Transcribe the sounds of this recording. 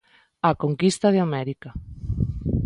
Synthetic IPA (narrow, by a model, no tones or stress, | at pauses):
akoŋkist̪aðeamɛɾika